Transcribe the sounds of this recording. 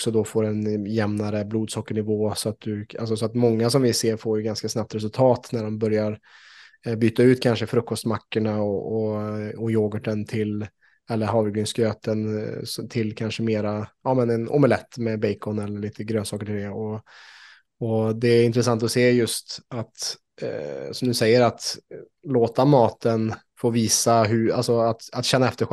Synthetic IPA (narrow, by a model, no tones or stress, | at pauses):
ɔksɔd̪ɔfoːɾɛnjɛmnaɾəbluːd̪sɔkːəɳɪvoːsɔat̪̚d̪ɵa̰ls̬ɔsɔat̪mɔŋːasɔmvɪseːɾfoːɾjɵɡanskasnap̚t̪ɾɛs̬ɵlt̪ʰɑːt̪næɖɔmbœɾjaɾ | byːt̪aʉ̟ːt̪kʰanʂəfɾɵkːɔst̪makːəɳaɔɔɔjoːɡəʈːənt̪ʰɪl | ɛlːəɾhɑːɾvɪɡlʏnskɾøːt̪ənst̪ʰɪlːkʰanʂəmeːɾaɑːmɛnɛnɔ̰mɛlɛt̪ːmɛbɛɪkʰɔnɛlːəɭiːt̪əɡɾøːnsɑːkəʈʰɪld̪ɛɔ | ɔd̪ɛæɾɪnt̪ɾəs̬ant̪ɔseːjɵst̪at̪ | sɔmd̪ɵsɛjːəɾat̪ | loːt̪amɑːt̪ən | foːviːsaɦʉa̰lsɔat̪at̪ɕɛnːaɛft̪əɧ